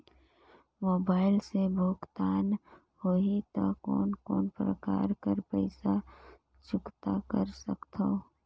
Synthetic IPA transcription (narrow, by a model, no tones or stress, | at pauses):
moːbaːɪlsebʱoːkt̪aːn | hoit̪okɔ̰ːnkɔːnpɾə̰ka̰ːɾkəɾpəɪsa | t͡ʃʊkt̪akəɾsəkt̪ʰo